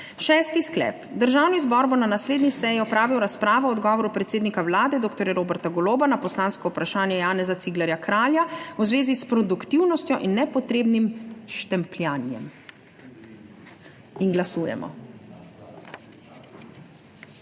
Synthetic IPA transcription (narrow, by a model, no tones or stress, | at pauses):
ʃɛːst̪isklɛ̰ːpd̪əɾʒaːwnizbɔɾbɔnanasleːd̪nisɛjiɔpɾaːʋiwɾaspɾaːʋɔɔd̪ɡɔːʋɔɾupɾɛt̪seːd̪nikawlaːd̪ɛd̪oːkt̪ɔɾjaɾoːbɛɾt̪aɡɔloːbanapɔslaːnskɔwpɾaʃaːnjɛjaːnɛzat̪siɡlɛɾjakɾaːljawzʋeːzispɾɔd̪ukt̪iwnɔst̪jɔʔinːɛpɔt̪ɾeːbnimʃt̪ɛmpljaːnjɛ̰m | inɡlasuːjɛ̰mɔ̰